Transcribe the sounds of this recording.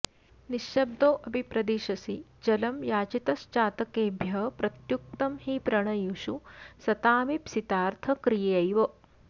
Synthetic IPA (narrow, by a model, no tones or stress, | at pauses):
niʃjɐb̚d̪oːʔɐbʱipɾɐd̪iːʃɐsid͡ʒɐlɐmjaːt͡ʃit̪ɐʃt͡ʃaːt̪ɐkeːbʱjɐɦpɾɐt̪juk̚t̪ɐmhipɾɐɳɐjuʃusɐt̪aːmipsit̪aːɾt̪ʰɐkɾijɐjɐjʋɐ